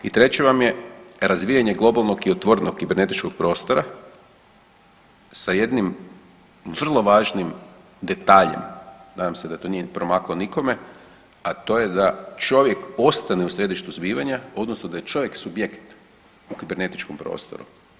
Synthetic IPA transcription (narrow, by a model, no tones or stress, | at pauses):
it̪ɾet͡ɕeʋamje̞ɾazʋiːjaɲe̞ɡlˠo̞balˠnoɡiot̪ʋoɾenokkibeɾne̞t̪it͡ʃkoɡ̚pɾo̞ːst̪o̞ɾa | saje̞d̪nim | ʋr̩lˠo̞ʋaːʒnim | d̪e̞t̪aːʎḛmnaːd̪amsed̪at̪o̞niepɾo̞maklˠoniko̞me̞ | at̪o̞je̞d̪at͡ʃo̞ʋje̞ko̞st̪aniusɾe̞d̪iʃt̪uzbiːʋaɲao̞d̪nosnod̪ajet͡ʃo̞ʋje̞ksubjekt̪ | ukibe̞ɾne̞t̪i̥t͡ʃkompɾo̰st̪o̰ɾṵ